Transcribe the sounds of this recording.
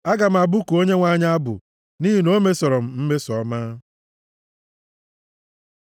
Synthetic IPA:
a˦ɡa˨m̩˨a˨bʊ˦ku˨o˦ɲe˦ŋʷa˦˨ɲa˦a˦bʊ̰˨ | ni˦ɦi˦no˦me˦sɔ˨ɾɔ˨m̩˨m̩˦me˦sɔ˨˦maː˦

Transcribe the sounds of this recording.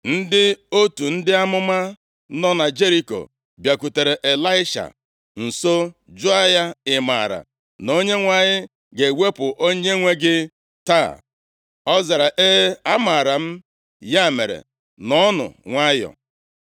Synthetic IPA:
n̩˦dɪ˦o˦tu˨n̩˦dɪ˦a˦mʊ˦ma˦ | nɔ˦na˨d͡ʒe˦ɾi˦ko̰˨ | bja˨ku˨te˨ɾe˨ʔe˨la˦ɪ˦ʃa̰˨ | n̩˨so˦d͡ʒʊ˦a˦ja˦ɪ˨ma̰˨ɾa̰˨ | no˦ɲe˦ŋʷa˨ɲɪ˦ | ɡe˨we˦pʊ˨ʔo˦ɲe˦ŋʷe˦ɡɪ˦ | ta̰˦˨ | ɔ˦za˨ɾa˨ʔe˦a˦ma˨ɾa˨m̩˦ | ja˦˨me˨ɾḛ˨ | nɔ˦nʊ̰˨ŋʷa˦jɔ̰˨

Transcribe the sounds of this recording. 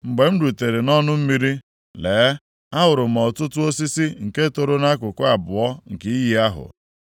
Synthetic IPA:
ŋ͡m̩˨ɡ͡be˨m̩˦du˨te˨ɾe˨nɔ˦nʊ˦m̩˦mi˦ɾi˦ | leː˨˦ | a˦ɦʊ˨ɾʊ˨m̩˨ɔ˨tʊ˦tʊ˦o˦si˦si˦ŋ̩˨ke˦to˨ɾo˦na˦kʊ˨kʷʊ˦a˨bʊ˨ɔ˦ŋ̩˨kɪ˦i˦ji˨a˦ɦʊ̰˨

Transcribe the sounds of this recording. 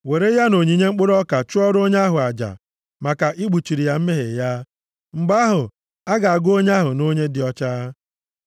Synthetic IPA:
we˨ɾe˦ja˦no˨ɲi˨ɲe˦ŋ͡m̩˦k͡pʊ˦ɾɔ˦ka˨t͡ʃʊ˦ɔ˦ɾo˦ɲe˦a˦ɦʊ˨a˨d͡ʒa̰˨ | ma˨ka˨ʔi˦ɡ͡bu˨t͡ʃi˨ɾi˨ja˨m̩˦me˦ɦe˨ja˦ | ŋ͡m̩˨ɡ͡ba˦ɦʊ˨ | a˦ɡa˨a˨ɡo˦ɲ˦a˦ɦʊ˨no˦ɲe˦dɪ˨ɔ˦t͡ʃa˦

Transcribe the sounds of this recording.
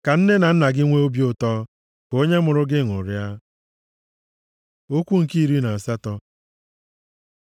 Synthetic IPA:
ka˨n̩˦ne˦na˨n̩˦na˨ɡɪ˦ŋʷe˦o˦bjʊ˦tɔ˦ | ko˦ɲe˦mʊ˨ɾʊ˦ɡɪ˦˨ŋʊ̰˨ɾja˦ | o˦kʷu˦ŋ̩˨ki˦i˨ɾi˦na˨a˨sa˦tɔ˦

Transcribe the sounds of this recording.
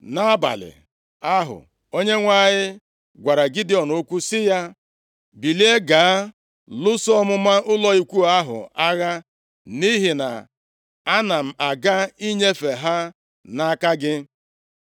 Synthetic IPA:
na˦a˦ba̰˨lɪ̰˨ | a˦ɦʊ̰˨ | o˦ɲe˦ŋʷa˦˨ɲɪ˦ | ɡʷa˨ɾa˨ɡi˦dɪ˦ɔ˨no˦kʷu˦sɪ˦ja˦ | bi˨li˦e˦ɡaː˨a˦ | lʊ˦sɔ˦mʊ˦ma˦ʊ˦lɔ˦i˦kʷu˦a˦ɦʊ̰˨a˦ɣa˦ | ni˦ɦi˨na̰˨ | a˦na˨m̩˨a˨ɡa˦i˦ɲe˦fe˨ɦa˦ | na˦a˦ka˦ɡɪ˦

